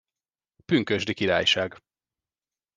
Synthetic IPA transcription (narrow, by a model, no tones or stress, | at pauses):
pyŋkøʒd̪ikiɾa̰ːjʃaːɡ